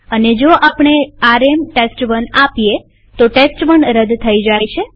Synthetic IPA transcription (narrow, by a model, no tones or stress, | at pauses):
əned͡ʒoʔapɳ̃eaɾemʈesʈʋənapje | t̪oʈesʈʋəɳɾəd̪t̪ʰəid͡ʒajt͡ʃʰe